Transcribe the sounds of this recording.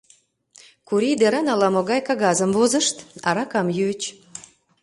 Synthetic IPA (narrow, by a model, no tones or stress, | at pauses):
kuɾid̪eɾɑnɑlɑmoɣɑjkɑɣɑzəmvozəʃt̪ɑ̰ɾɑkɑmjøt͡ɕ